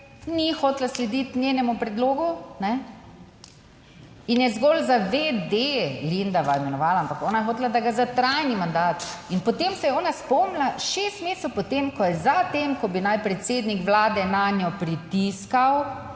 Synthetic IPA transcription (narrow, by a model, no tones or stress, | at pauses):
nixoːt̪laslɛd̪it̪nʲjeːnɛmupɾɛd̪loːɡunɛ | injɛzɡɔlzaʋed̪elind̪aʋaɛmɛnɔʋaːlaampakɔːnajɛxoːt̪lad̪aɡazat̪ɾajnimand̪aːt̪inpɔt̪eːmsɛjɛɔːnaspɔmlaʃest̪meːsɛwpɔt̪emkɔjɛzat̪emkɔbinajpɾɛt̪seːd̪nikʋlaːd̪ɛnanjɔpɾit̪iskaw